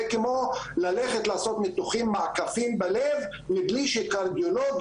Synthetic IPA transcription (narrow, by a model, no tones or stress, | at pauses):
kemolaleχet̪laːso̞t̪met̪uχimːakafimbalev | mibliʃekaʁd̪ioloɡ